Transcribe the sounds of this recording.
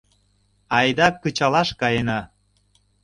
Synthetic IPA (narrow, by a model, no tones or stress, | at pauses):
ɑjd̪ɑkːət͡ɕɑlɑʃkɑjenɑ